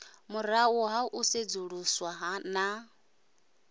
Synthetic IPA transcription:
mʊɾauɦaʔused͡zuɺuswaɦana

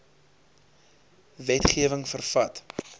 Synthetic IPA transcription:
vɛtχiəvəŋfərfɐt

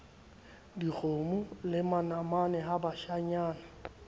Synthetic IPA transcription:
diɣomʊlɪmanamanɛɦabaʃaɲaːna

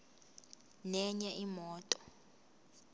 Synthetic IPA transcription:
nɛɲɛʔimɔːtʼɔ

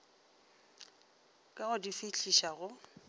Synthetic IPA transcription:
kʼaɣʊdifɪɬʰiʃaɣʊ

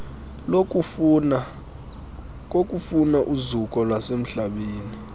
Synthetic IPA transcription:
l | k̬ʼok̬ʼufunaʔuzukʼɔlwasem̩ɬaɓeːni

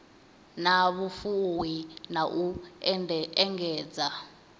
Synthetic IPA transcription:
naβufuwinaʔu | ɛŋɡɛːd͡za

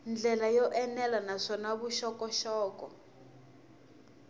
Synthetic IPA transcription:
nd͡ɮɛlajɔʔɛnɛlanaʂɔnaβuʃɔkɔʃɔːkɔ

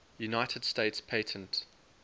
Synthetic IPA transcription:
junaɪtʰəd̥steɪtspʰeɪtʰə̃nt

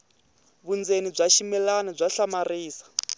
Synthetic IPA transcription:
βund͡zenib͡ʐʷaʃimɛlanab͡ʐaɬamariːsḁ

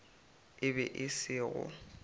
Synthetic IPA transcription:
ɪbɛʔɪsɪːɣʊ̰

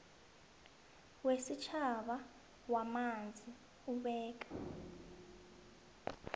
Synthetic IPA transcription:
wesit͡ʃʰaɓa | wamand͡zʱi | uɓɛːk̬ḁ

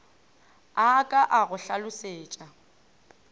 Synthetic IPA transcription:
akʼaʔaɣʊɬalʊseːt͡ʃʼa

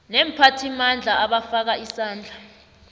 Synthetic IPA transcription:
nɛm̩pʰatʰimand͡ɮʱaaɓafak̬aisaːnd͡ɮʱa

